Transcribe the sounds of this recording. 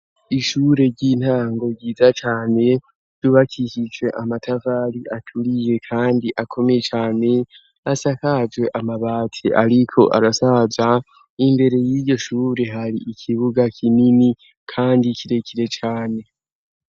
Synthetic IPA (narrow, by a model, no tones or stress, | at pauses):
iʃuːɾe̞ɾɟiːn̥haːŋɡo̞ɟiːzat͡ʃaːne̞ | z̥uβakʰiʃid͡ʒwe̞ʔamatʰavaːɾiʔatʰuɾije̞kʰaːndiʔakʰo̞me̞je̞t͡ʃaːne̞ | asakad͡ʒwe̞ʔamaβaːtʰeʔaɾikʰo̞ʔa̰ɾasaza | imbe̞ɾe̞jiɾɟo̞ʃuːɾe̞ɦaɾiːkʰiβuɡakʰinini | kʰaːndikʰiɾe̞kʰiɾe̞t͡ʃaːne̞